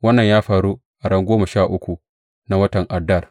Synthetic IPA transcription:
wɐ˦nːɐ˨ɲjaː˦ɸaː˨ɾu˦ʔa˨ɽɐ˦ŋɡʷoː˦mɐ˨ʃaː˦˨ʔʊ˦kʷu˨ | na˦wɐ˦tɐ˨ŋʔa˨dɐ˦˨r

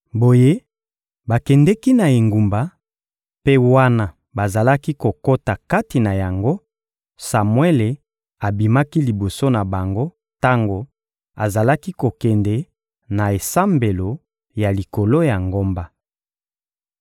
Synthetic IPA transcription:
bo˨je˦ | ba˨kɛ˨ndɛ˦ki˦na˨e˨ŋɡu˨mba˨ | pe˦wa˦na˦ | ba˨za˨la˦ki˦ko˨ko˦ta˨ka˦ti˨na˨ja˨ŋɡo˦ | sa˨mwe˦le˨ | a˨bi˨ma˦ki˦li˨bo˨so˦na˨ba˨ŋɡo˦ | ta˦ŋɡo˨ | a˨za˨la˦ki˦ko˨kɛ˨ndɛ˨ | na˨e˨sa˦mbe˨lo˨ | ja˨li˨ko˨lo˦ja˨ŋɡo˦mba˨

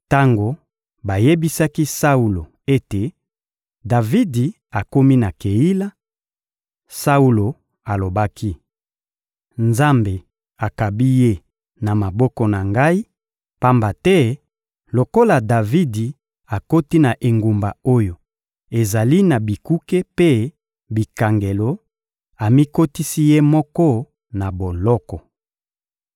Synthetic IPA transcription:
ta˦ŋɡo˨ | ba˨je˦bi˦sa˦ki˦sa˦u˨lo˨ | e˦te˨ | da˨vi˦di˨ | a˨ko˦mi˦na˨ke˨ji˦la˦ | sa˦u˦lo˨ | a˨lo˨ba˦kʰi˦ | nza˦mbe˨ | a˨ka˨bi˦je˦ | na˨ma˨bɔ˦kɔ˨na˨ŋɡa˦i˦ | pa˦mba˨tɛ˦ | lo˨ko˦la˨da˨vi˦di˨ | a˨ko˦ti˦na˨ʔe˨ŋɡu˨mba˨o˦jo˨ | e˨za˨li˦na˨bi˨ku˦ke˦pe˦ | bi˨ka˨ŋɡe˨lo˨˦ | a˨mi˦ko˦ti˦si˦je˦mɔ˦kɔ˦ | na˨bo˨lɔ˦kɔ˨

